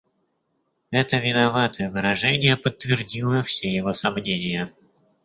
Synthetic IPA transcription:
ɛt̪əvʲɪnɐvat̪ʰəjəvɨɾɐʐɛnʲɪjəpət̪ːvʲɪrdʲilˠəfsʲejɪvosɐmnʲenʲɪjə

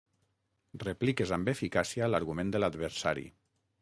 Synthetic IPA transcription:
replikezambefikasialaɾɣumẽnd̪əlad̪βəɾsa̰ɾḭ

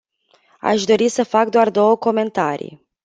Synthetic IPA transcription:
a̰ʃd̪o̞ɾisəfak̚d̪oard̪o̞wəko̞me̞nt̪aɾḭj

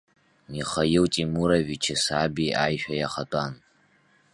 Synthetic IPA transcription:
niχajɪwtʼimuɾavit͡ʃʰɪsabiajʃʷᶣajaχatʷʼan

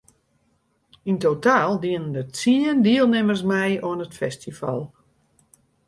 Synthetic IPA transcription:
intotaːlˠdiənəndətsiəndiəlˠnɪmərsmɛjoənətfɛstifa̰lˠ

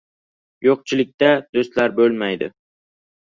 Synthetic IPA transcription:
joq̚t͡ʃʰɪlɪk̚ʲt̪ad̪̥ost̪laɾbɵlmajd̪ɪ̰

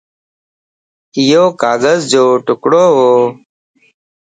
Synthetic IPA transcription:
ɪjoːkaːɡəzd͡ʒoːʈʊkɽoːɦoː

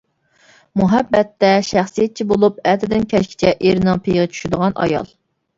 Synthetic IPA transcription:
muɦɛbːɛt̪ʰːɛʃæχsijɛt̪̚t͡ʃʰibolˠup̚ɛt̪ʰɪd̪ɪnkʲʰɛʃkʲʰi̥t͡ʃʰɛʔeɾnɪŋpʰejʁɨt͡ʃʰy̥ʃɪd̪əʁɑnʔɑ̰jɑ̰lˠ

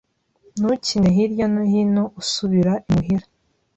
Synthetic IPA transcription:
nucineɦiɾjonohinoʔusuβiɾaʔimuɦiɾa

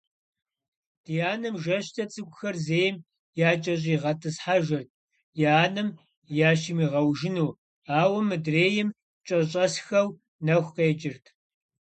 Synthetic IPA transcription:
d̥ijaːnɨmʒɐɕtʰɐt͡sʼɨɡʷʼʊxɐrzeːjm | jaːt͡ʃʼɐɕ̬ʼiːʁɐtʰɨsħaʒɐrt̚ʰ | jaːnɨm | jaːʃimiːʁɐwʒɪnuː | aːwɐmɨdreːjɪm | t͡ʃʼɐɕʼɐsxɐw | nɐxʷqejt͡ʃʼɪrtʰ

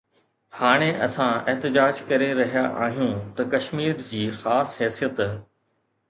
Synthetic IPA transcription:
haːɽ̃eʔɐsãɪɦt̪ɪd͡ʑaːd͡ʑkɐɾeɾɐɦijaʔaːɦijũt̪ɐkɐʃmiːɾd͡ʑiːxaːsɦɛːsijət̪

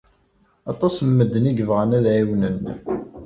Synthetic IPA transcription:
ɑt̪ˤɑsmːəd̪ːəniʝəvʁənæðʕiwnən

